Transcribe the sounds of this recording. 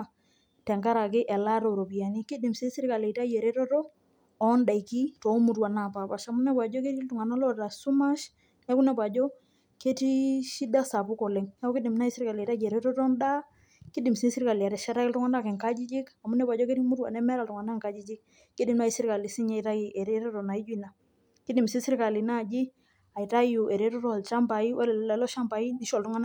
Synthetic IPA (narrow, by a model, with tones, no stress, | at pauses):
tɛ˨ŋka˦ɾa˨kɪ˦ʔɛ˨la˦to˨ɾo˨pi˨a˨ni˦kɪ˦dɪ˨msi˦sɪ˦ɾka˨le˨ta˦je˨ɾe˦tɔ˦tɔː˦ | nda˨i˨ki˦to˨˦mu˨twa˨na˨pa˨pa˨ʃa˨mu˦nɛ˦bwa˨d͡ʒɔ˦ke˦ɾi˦ltu˨ŋa˨na˦lɔ˦ta˨su˦ma˦ʃ | nɛ˦kʊ˦nɛ˨bwa˨d͡ʒɔ˦ | ke˦ti˦ʃi˦da˦sa˨pu˦kɔ˨lɛ˨ŋna˦kɔ˦kɪ˦dɪ˨mna˦i˦sɪ˦ɾka˨le˨ta˦jɛ˨ɾɛ˦tɔ˦tɔ˦nda˦ | ki˦di˨msi˦n˦si˦ɾka˨li˨a˨ɾɛ˨ʃa˦ɾa˦ki˦ltu˦ŋa˦na˦kɛ˨ŋka˦d͡ʒi˦d͡ʒi˦ka˨mu˦nɛ˦bwa˨d͡ʒɔ˦ke˦ɾmu˦ɾuwa̰˨nɛ˦mɛ˦ɾa˨ltu˨ŋa˨na˦ŋka˦d͡ʒi˦d͡ʒi˦k̚ | ki˦di˦mna˦i˦si˦ɾka˨li˨si˦ɲa˦i˨ta˦ji˨ʔɛ˨ɾɛ˦ɾɔ˦ɾɔ˨na˨i˦d͡ʒu˦i˨na˨ | ki˦di˨msi˦sɪ˦ɾka˨li˨na˦˨d͡ʒi˦ | a˨i˨ta˦ju˨ʔɛ˨ɾɛ˦ɾɔ˦tɔ˦˨lt͡ʃa˦mpa˨i˦wɛ˦lɛ˨lɛ˨lɔ˦ʃa˦mba˨i˦ni˦ʃɔ˨ltu˦ŋa˦n˦